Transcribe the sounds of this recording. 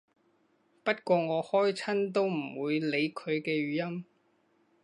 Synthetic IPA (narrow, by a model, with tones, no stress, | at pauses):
pɐ˥t̚kʷɔː˧ŋɔː˨˧hɔː˥jt͡sʰɐ˥nt̪̬o˥wm̩˨˩wuː˨˧jle˨˧jkʰɵ˨˧ɥkɛː˧ɥyː˨˧jɐ˥m